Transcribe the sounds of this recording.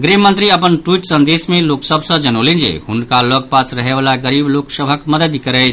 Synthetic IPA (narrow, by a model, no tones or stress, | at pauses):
ɡɾemənt̪ɾiəpənʈuiʈsənd̪esmeloksəbʱsə̃d͡ʒənolend͡ʒḛhunkalɔɡ̚pat͡ʃɾəɦebalaɡəɾibloksəbʱəkməd̪əd̪kəɾɛ